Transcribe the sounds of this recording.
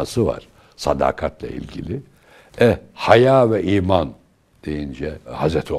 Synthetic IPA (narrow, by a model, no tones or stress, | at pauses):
asɯva̰ɾ̥ | sad̪a̰ːkʰat̪lˠa̰ḭlʲɟilʲi | ɛhajaːvɛʔiːman | d̪̥e̞jind͡ʒɛhazɾɛt̪ʰo